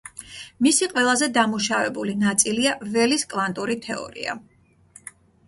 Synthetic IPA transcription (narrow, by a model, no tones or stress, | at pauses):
misiqʼwɛlˠazɛd̪amuʃavɛbulinat̪sʼiliavɛliskʼvant̪ʼuɾit̪ʰɛɔ̰ɾḭa̰